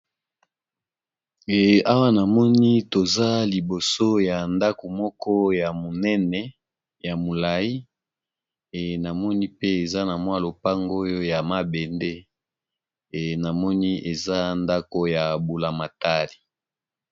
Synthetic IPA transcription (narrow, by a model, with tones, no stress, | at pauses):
a˦wa˦na˨mɔ˦ni˦to˨za˦li˨bo˨so˦ja˨nda˦ko˨mɔ˦kɔ˦ja˨mo˨nɛ˦nɛ˨ | ja˨mo˨la˨ji˦˨ | na˨mɔ˦ni˦pe˦e˨za˦na˨mwa˦lo˨pa˦ŋɡo˦jo˦ja˨ma˦be˨nde˦˨ | na˨mɔ˦ni˦ʔe˨za˦nda˦ko˦ja˨bu˨la˨ma˨ta˦li˨